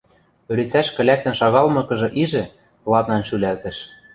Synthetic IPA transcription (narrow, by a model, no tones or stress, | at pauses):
øɾet͡sæʃkɘ̆lʲæk̚t̪ɘ̆nʃɑɣɑlmɤ̆kɤ̆ʒɤ̆ʔiʒɘ̆ | plˠɑt̪nɑnʃylælt̪ɘ̆ʃ